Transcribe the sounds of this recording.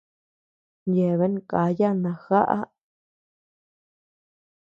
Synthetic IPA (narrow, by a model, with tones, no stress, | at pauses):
je˨βe˦nka˨˦ja˦nã˧˨xa̰˦ʔa̰˦